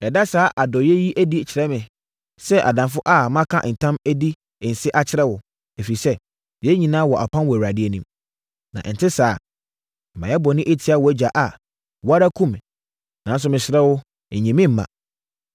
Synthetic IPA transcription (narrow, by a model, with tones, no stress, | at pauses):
ɛ˨da˦saː˨˦ʔa˨dɔ˨jɛ˦ji˦ʔæ˦di˦t͡ɕʰɪ˨ɾɛ˦mɪ̃˨ | sɛ˦ʔa̰˨dã˨nfʊ˦ʔa˦˨mã˦kʰã̰˦ʔn̩˨tʰã˦mæ˦di˦˨ | n̩˨sɪ˦ʔa˦t͡ɕʰɪ˦ɾɛ˦wʊ˨ | e˨fi˨ɾi˨sɛ˦ | jɛ˦ɲĩ˨nãː˦wɔ˨ʔa˨pʰã˦nwɔ˨a˨dɪ˦e˦nũ˦m | nã̰˨ʔn̩˨tʰɪ˦saː˦˨ | mã̰˨ɛ˦bɔ˨nɪ̃˦ʔe˦tʰi˦a˦wɔ˨˦d͡ʑa˨ʔa˨ | wɔ˦a˦ɾa˦kʰũ˦m˨ | nã˨n˦s̬ʊ˦mɪ̃˨ɕɪ˨ɾɛ˦wʊ˦˨ | ɲĩ˨mɪ̃˦m̩˦mã̰˨